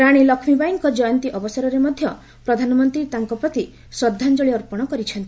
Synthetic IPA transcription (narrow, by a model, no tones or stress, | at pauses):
ɾaɽ̃ilɔkʰmibajiŋkɔd͡ʒɔjɔnt̪iʔɔbɔsaɾɔɾemɔd̪ʱjɔ | pɾɔd̪ʱanɔmɔnt̪ɾit̪aŋkɔpɾɔt̪i | sɔd̪ʱːand͡ʒɔɭiɔɾpɔɽ̃ɔkɔɾit͡ʃʰɔnt̪i